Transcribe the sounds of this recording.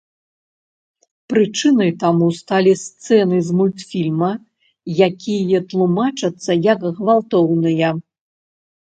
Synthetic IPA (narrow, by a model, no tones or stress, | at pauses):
pɾɨt͡ʂɨnɐjt̪amust̪alʲist̪sɛnɨzmut̪fʲilʲmɐ | jakʲʰijɐt̪lˠumat͡ʂɐt̪sːɐjɐkːvalˠt̪ɔwnɨjɐ